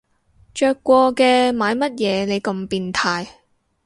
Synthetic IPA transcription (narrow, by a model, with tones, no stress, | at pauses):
t͡ʃœː˧kːʷɔː˧kɛː˧maː˨˧jmɐ˥t̚jɛː˨˧ne˨˧jkɐ˧mpiː˧nt̪ʰaː˧j